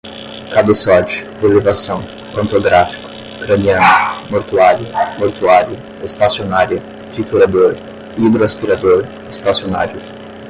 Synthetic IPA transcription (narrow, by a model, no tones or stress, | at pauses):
kab̪esɔd͡ʒʊ̥delevasɐ̃w̃ | kõnt̪oɡɾafi̥kʊ̥ | kɾɐniɐ̃nʊmoɾt̪uaɾjʊmoɾt̪uaɾjʊ | est̪asionaɾjʊ | t̪ɾit̪ulad̪oɾ | id̪ɾoaspiɾad̪oɾ | est̪asiona̰ɾjʊ